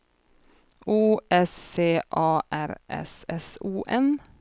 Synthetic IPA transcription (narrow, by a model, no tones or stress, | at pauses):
uːɛsːeːʔɑːʔæɾʔɛ̰sɛsuːʔɛn